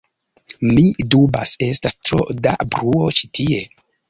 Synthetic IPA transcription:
midubase̞stastɾo̞̰da̰bɾuo̞t͡ʃi̥tʰie̞

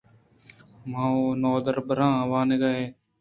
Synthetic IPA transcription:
mãːoːnoːd̪əɾbəɾãːʋaːneɡaːɦeː

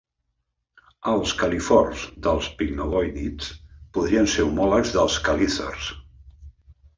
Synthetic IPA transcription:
əlˠskəlifɔrzd̪əlˠspiɡnolɔjnit͡spuðɾiənseɾumɔləɡzðəlˠskəliθə̰rs

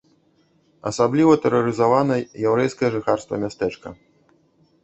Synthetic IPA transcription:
ɐ̰sablʲivɐt̪ɛɾɐɾɨzavanɐjawɾɛjskɐjɐʐɨxarst̪vɐ̰mʲast̪ɛt͡ʂkɐ

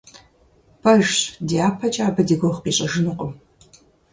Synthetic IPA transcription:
pʰɐʒdiaːpʰɐt͡ʃʼaːbɐdiɡʷoχpiːɕʼɐʒɨnɨqʷʼʊm

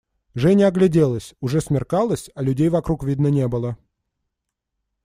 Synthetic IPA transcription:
ʐɛnʲɪɐɡlʲɪdʲelˠəsʲʊʐɛsmʲɪrkɑlˠəsʲɐlʲʉdʲejvɐkɾukvʲid̪nənʲe̞bɨlˠə

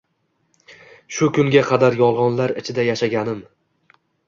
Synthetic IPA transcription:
ʃʊkʰʊŋɡʲaqʰɑd̪aɾjɒlˠʁɒnlaɾɪt͡ʃʰɪd̪ajaʃaɡʲanɪm

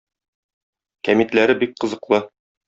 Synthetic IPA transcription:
kæmit̪læɾɘbik̚qɤ̆zɤ̆qlˠɤ

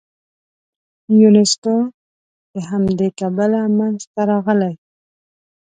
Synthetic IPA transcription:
junɪsko | d̪̥əɦamd̪ekabalamanzt̪aɾɑɣəlaj

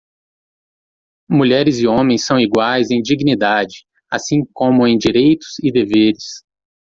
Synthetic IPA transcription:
muʎɛɾɪzɪõmẽj̃sɐ̃w̃iɡwajzẽj̃d͡ʒiɡnid̪ad͡ʒɪ | asĩkõmʊẽj̃d͡ʒiɾejt̪ʊ̥z̥ɪd̪eveɾɪs

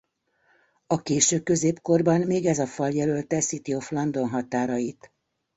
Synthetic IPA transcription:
ɒkeːʃøːkø̞zeːpko̞rbɒnmeːɡɛzɒfɒljɛlølt̪ɛsit̪io̞flɒnd̪o̞nɦɒt̪aːɾɒjit̪

